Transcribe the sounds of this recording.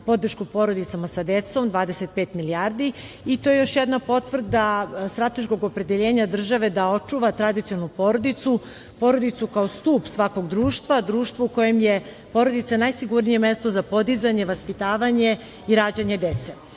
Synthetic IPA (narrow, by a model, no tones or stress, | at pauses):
po̞d̪r̩ʃkupo̞ɾo̞d̪it̪samasad̪et̪so̞md̪ʋaːd̪eset̪̚peːt̪miliaɾd̪i | it̪ojejo̞ʃjed̪napo̞t̪ʋr̩d̪ast̪ɾat̪e̞ʃko̞ɡopɾe̞d̪eʎeːɲad̪r̩ʒaʋe̞d̪ao̞t͡ʃuʋat̪ɾad̪it̪sionnupo̞ɾo̞d̪it̪su | po̞ɾo̞d̪it̪sukao̞st̪uːpsʋako̞ɡd̪ɾuːʃt̪ʋad̪ɾuːʃt̪vouko̞jemje | po̞ɾo̞d̪it̪sanajsiɡuɾnijeme̞st̪o̞zapo̞d̪izaɲe̞ʋaspit̪aːʋaɲe̞ | iɾaːd͡ʑaɲe̞d̪et̪se